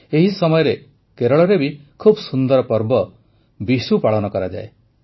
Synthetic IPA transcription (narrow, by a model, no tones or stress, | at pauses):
eɦisɔmɔjɔɾe | keɾɔɭɔɾebikʰubɔsund̪ɔɾɔpɔɾbɔ | bisupaɭɔnɔkɔɾad͡ʒa̰e